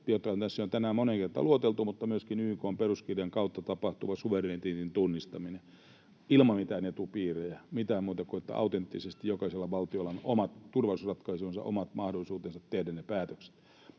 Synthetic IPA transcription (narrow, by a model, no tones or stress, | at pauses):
jot̪ːɑhont̪æsːæont̪ænæːmmoneŋkert̪ɑ̰luot̪elt̪umut̪ːɑmyøskinyːkoːmperuskirjɑŋkɑut̪ːɑt̪ɑpɑht̪uʋɑsuʋeret̪int̪int̪unːist̪ɑmine | ilmɑmit̪ænet̪upiːrejæmit̪æːmmuːt̪ɑkuet̪ːæ̰ɑ̰ut̪ent̪ːisest̪ijjokɑselːɑʋɑlt̪iolːɑnomɑt̪t̪urʋɑusrɑt̪kɑisionsɑ̰ʔo̰mɑt̪mɑhdolːˑisuːt̪ensɑt̪tehdænepæːt̪økse̥t̪